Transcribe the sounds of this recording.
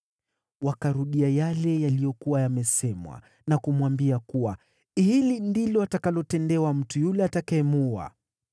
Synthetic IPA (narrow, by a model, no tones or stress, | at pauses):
wakaɾuɗiajalɛjalijɔkuwajamɛsɛmwa̰ | nakumwambiakuwa | hilindilɔatakalɔtɛndɛwam̩tujulɛatakaɛmua̰